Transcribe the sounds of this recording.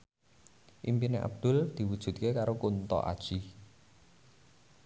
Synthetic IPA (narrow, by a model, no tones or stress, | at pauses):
ʔimpineʔa̰b̚d̪̥ʊ̤ld̪̥i̤wud̥ʒ̥ṳt̪̚kekaɾokunt̪ɔ̰ʔa̰d̥ʒ̥i